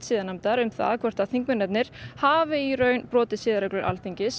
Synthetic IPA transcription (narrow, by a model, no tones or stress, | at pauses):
siːðanamt̪aɾʏmθa̰ðkʰvɛr̥t̪aθiŋkmɪnɛt̪nɪɾ̥haːvɪirœːɥnpɾɔːt̪ɪsɪːðaɾɛklʏɾʔa̰lθiɲcɪs